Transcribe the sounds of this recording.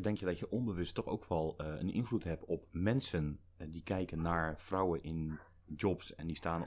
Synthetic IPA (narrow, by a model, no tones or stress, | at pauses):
dɛŋkjədɔtjəʔɔmbəʋəstɔxo̰wkʰʋɔlˠə̰nʔɪ̰nflutɦɛp̚tɔp̚mɛnsən | dikɛjkənːaɹfrawənɪn | d͡ʒɔpsɛ̰ndistaːn